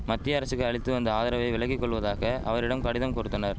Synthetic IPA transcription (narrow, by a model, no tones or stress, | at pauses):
mɐt̪ːɪjɐɐɾɐsɯkːɯɐɭɪt̪ːɯɐnd̪ɐaːðɐɾɐʋɐɪʋɪɭɐkːikːɔɭːɯʋɐðaːɣɐʔɐʋɐɾɪɽɐmkɐɽɪðɐmkɔɾɯt̪ːɐnɐɾ